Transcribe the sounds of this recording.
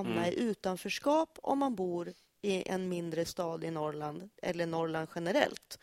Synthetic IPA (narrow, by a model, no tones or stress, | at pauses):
mnaɪʔʉ̟ːt̪anfœːʂkɑːpɔ̰mːanbuːɾ | ɪʔɛ̰nmɪnd̪ɾəst̪ɑːd̪ɪnɔɾɭand̪ɛ̰lːəɳɔɾɭand̪ɧɛnəɾɛ̰lt̪